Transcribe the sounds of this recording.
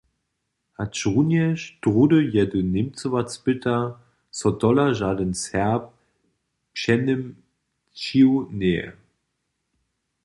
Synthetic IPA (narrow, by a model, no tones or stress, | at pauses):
ʔat͡ʃʁunjɛʃd̥ʁudəjɛdənɪmt͡səvat͡sb̥ɪtʰɐ | sɔdɔlaʒaːdənshɛɐp̚ | pʃɛnəm | t͡ʃiwnɛːə̰